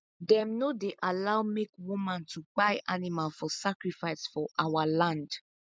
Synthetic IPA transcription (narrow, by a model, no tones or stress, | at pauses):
dɛ̃mnodeʔalawmekwumãntʰubaɪʔanimalfɔsakɹifaɪsfɔʔawalãnd